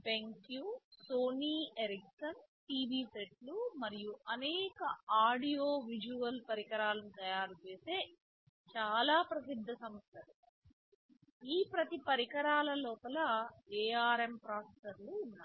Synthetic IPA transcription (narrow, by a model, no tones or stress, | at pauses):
t̪ʰeŋkjuːsoːniːeɾiksɐnʈiːʋiːseʈlumɐɾijuʔɐnɛːkɐaːɽijoːʋid͡ʒuʋɐlpɐɾikɐɾaːlɐnit̪ɐjaːɾut͡ʃeːse̞ː | t͡ʃaːlaːpɾɐsid̪ʱːɐsɐmɐst̪ʰɐlu | iːpɾɐt̪ipɐɾikɐɾaːlɐlɔːpɐlɐeːaːɾempɾaːsesɐɾluːnːaː